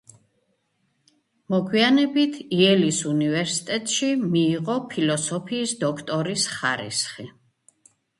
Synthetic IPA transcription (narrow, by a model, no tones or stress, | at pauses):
mɔɡwianɛbit̪ʰiɛlisunivɛɾsi̥t̪ʼɛt̪ʼʃimiːʁɔpʰilɔsɔpʰiːsd̪ɔkʰt̪ʼɔɾisχaɾḭsχi